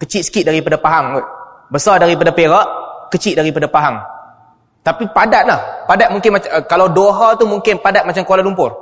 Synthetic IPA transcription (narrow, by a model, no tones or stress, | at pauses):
kət͡ʃɪt̪sə̥kɪt̪̚daɾipadapaɦaŋʊt̪̚ | bəsadaɾip̬adapeɾaʔkət͡ʃɪt̪̚daɾipadapaɦaŋ | t̪apipadaʔ̪̚lahpadat̪̚muŋkɪnmakalawdoɦat̪umuŋkɪnpadat̪̚mat͡ʃamkoalalumpʊr